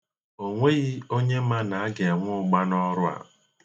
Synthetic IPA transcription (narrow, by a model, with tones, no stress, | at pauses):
o˨ŋʷe˦ɣi˦o˦ɲe˦ma˦na˨a˦ɡe˨ŋʷʊ˦ʊ˦ɡ͡ba˦nɔ˦ɾʊ˦a̰˨